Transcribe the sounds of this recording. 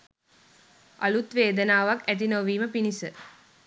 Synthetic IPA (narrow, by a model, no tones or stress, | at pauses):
ʔɐlut̪ʋeːd̪ənaːʋakæt̪̬inoʋiːməpinisə